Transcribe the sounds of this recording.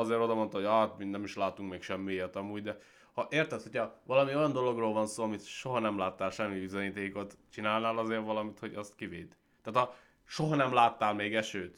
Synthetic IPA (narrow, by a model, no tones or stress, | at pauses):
ɒzeːɾo̞d̪ɒmo̞nt̪ɒɦoɟaːt̪minɛmiʃlaːt̪uŋkmeːkʃɛmːijɛt̪ɒmuːɟd̪ɛ | hɒʔeːrt̪ɛshochɒʋɒlɒmio̞jɒnd̪o̞lo̞ɡroːlvɒnsoːɒmit̪ʃo̞ɦɒnɛmlaːt̪ːaːlʃɛmːibizoɲiːt̪eːko̞t̪t͡ʃinaːlnaːlɒzeːrʋɒlɒmit̪ho̞ɟɒst̪kiveːd̪̥ | t̪ːaːt̪ɒ | ʃo̞ɦɒnɛmlaːt̪ːaːlmeːɡɛʃøːt̪